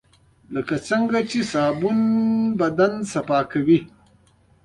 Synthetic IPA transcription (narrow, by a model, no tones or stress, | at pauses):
ləkat͡səŋɡat͡ʃesaːbunbɐd̪ansɐpaːkawi